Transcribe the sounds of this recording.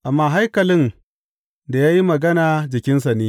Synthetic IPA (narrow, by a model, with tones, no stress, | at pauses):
ʔa˨mːaː˦ɦa˦jkɐ˨lɪ˦n | da˨jaː˦ji˦mɐ˨ɡɐ˦naː˨d͡ʒɪ˨kʲɪ˦ns̬a˨neː˦